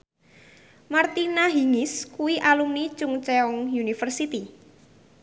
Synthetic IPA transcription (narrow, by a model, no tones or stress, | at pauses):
mart̪inaɦiŋɪskuwiʔalumnit͡ʃʊŋt͡ʃɛɔŋjunifərsit̪i